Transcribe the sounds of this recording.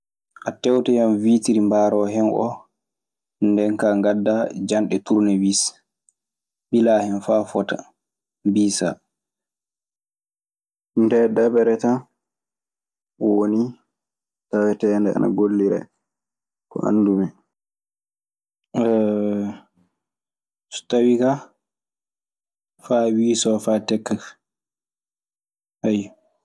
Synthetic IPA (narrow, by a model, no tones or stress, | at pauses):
ʔatɛwtɛjamvitiɾimbaːɾɔɦɛnʔɔ̰ | ndɛnkaŋɡadːad͡ʒanɗɛtuɾnɛwis | ɓilahɛnfafɔta̰ | mbiːsa̰ | ndɛdabɛɾɛta | woni | tawɛtɛndɛa̰na̰ɡolːiɾɛ̰ | kɔ̰ʔa̰nːdumɛ | stawika | faːwiːsɔfaːtɛkːa | haj